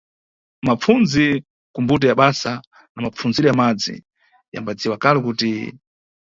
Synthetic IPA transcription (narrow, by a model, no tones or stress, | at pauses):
map͡funzi | kumbut̬ɛjaɓasa | namap͡funziɾɔjamad͡zḭ | ja̰mbad͡ziwakalɛkuti